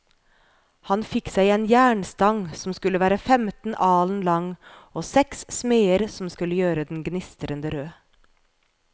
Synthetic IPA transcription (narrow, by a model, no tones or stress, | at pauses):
hɑnfɪksæɪeːnjæːɳst̪ɑŋsɔm̩skʉləʋæːɾəfɛmt̪n̩ʔɑːln̩lɑŋoːsɛkssmeːəɾsɔm̩skʉləjøːɾəd̪n̩ɡnɪst̪əɾənd̪əɾøː